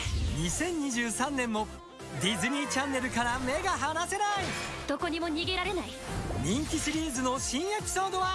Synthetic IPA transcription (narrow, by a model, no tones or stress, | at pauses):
ɲ̟isẽ̞ɲːiʑɨːsãnːẽ̞mːo̞ | d̪ʲizɨɲʲit͡ɕãnːe̞ɾɯ̟kaɾame̞ɡaɦanase̞nai | d̪̥o̞ko̞ɲ̟imo̞ɲ̟iɡe̞ɾaɾe̞naiɲʲĩŋkʲiɕiɾʲiːzɨno̞ɕĩɰ̃e̞pʲi̥so̞ːd̪o̞βa